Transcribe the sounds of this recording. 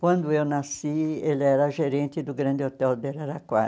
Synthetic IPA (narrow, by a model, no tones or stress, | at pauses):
kwɐ̃nd̪ʊewnasielɪɛɾɐʒeɾẽnt̪ɪd̪ʊɡɾɐ̃nd̪ɪot̪ɛwd̪elaɾakwa